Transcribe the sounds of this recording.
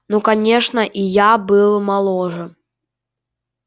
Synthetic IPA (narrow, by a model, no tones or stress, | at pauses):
nukanʲɛʂnɐʔijabɨlˠmalˠɔʐɨ